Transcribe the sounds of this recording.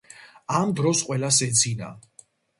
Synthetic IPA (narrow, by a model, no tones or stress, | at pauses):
amd̪ɾɔsqʼwɛlasɛd̪zina̰